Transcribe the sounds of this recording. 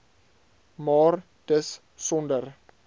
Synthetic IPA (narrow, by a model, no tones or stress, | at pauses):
mɑːr | d̥əs | sɔndər